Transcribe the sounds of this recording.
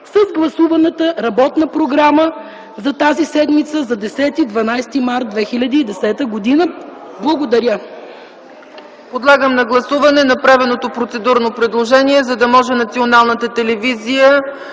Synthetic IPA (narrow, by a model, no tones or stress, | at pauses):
səzɡlˠɐsuvɐnət̪əɾɐbɔt̪nəpɾoɡɾamə | zɐt̪azisɛd̪mit̪səzɐd̪ɛsɛt̪id̪vɐnajst̪imaɾt̪̚d̪vɛxilʲɐd̪iːd̪ɛsɛt̪əɡod̪inə | blˠɐɡod̪ɐɾʲə | pod̪lˠaɡəmnɐɡlˠɐsuvɐnɛnɐpɾavɛnot̪opɾot̪sɛd̪uɾnopɾɛd̪lˠoʒɛniɛzɐd̪ɐmɔʒɛnɐt̪sionalˠnət̪ət̪ɛlɛvizijə